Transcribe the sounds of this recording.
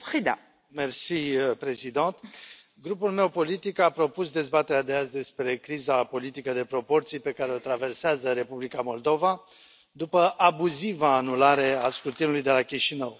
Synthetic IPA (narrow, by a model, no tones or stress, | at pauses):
pχid̪a̰ | mersipɾe̞zid̪ɑ̃t̪ | ɡɾupulme̞wpo̞lit̪ikapɾo̞pusd̪e̞zbat̪eɾead̪e̞azd̪e̞spɾe̞kɾizapo̞lit̪ikəd̪e̞pɾo̞po̞rt̪sijpe̞kaɾe̞ot̪ɾave̞rseazəɾe̞publikamo̞ld̪o̞va | d̪upəʔabuzivaːnulaɾe̞askɾut̪inulujd̪e̞lakʲiʃinəw